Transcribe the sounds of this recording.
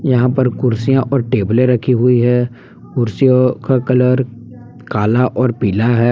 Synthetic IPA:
jɐɦãpɐɾkʊɾsijãʔɔːɾʈeːblẽɾɐkʰiɦʊiɦɛː | kʊɾsijõkakɐləɾ | kaːlaʔɔːɾpiːlaɦɛː

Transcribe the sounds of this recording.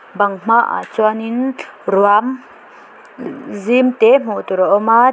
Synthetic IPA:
baŋm̥aʔa̰t͡suaninruam | zimt̪ɛm̥ut̪uɾaʔɔma

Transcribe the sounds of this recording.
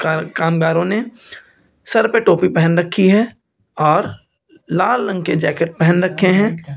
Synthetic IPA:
kaːmɡaːɾõne | sɐɾpeʈoːpipɛɦənɾɐkʰːiɦɛː | ɔːɾ | laːllə̃ŋked͡ʒɛːkəʈ̚pɛɦənɾɐkʰːeɦɛ̃ː

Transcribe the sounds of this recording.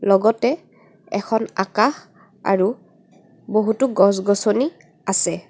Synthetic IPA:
lɔɡɔtɛ | ɛ̰kʰɔna̰kax | a̰ɹu | boɦutuɡɔ̃s̬ɡɔsoni | asɛ

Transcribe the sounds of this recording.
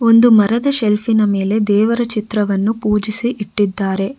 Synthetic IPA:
o̞nd̪umɐɾɐd̪ɐʃelfinɐme̞ːle̞d̪ɛːʋɐɾɐt͡ʃit̪ɾɐʋɐnːupuːd͡ʒisiʔiʈːid̪ːaːɾe̞

